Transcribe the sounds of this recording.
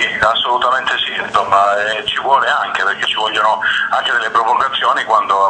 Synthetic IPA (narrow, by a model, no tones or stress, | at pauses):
iasːolut̪ament̪esiinsomːaɛt͡ʃivwɔːleaŋk̟eperk̟et͡ʃːivɔʎːonoaŋk̟ed̪elːepɾopoɡat̪sːjoːnikwand̪o